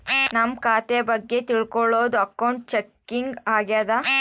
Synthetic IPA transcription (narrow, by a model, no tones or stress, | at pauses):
nɐmkaːt̪ebɐɡːe̞t̪iɭkɔɭoːd̪uɐkːɐwɳʈ̚t͡ʃekːiŋɡaːɡjaːd̪a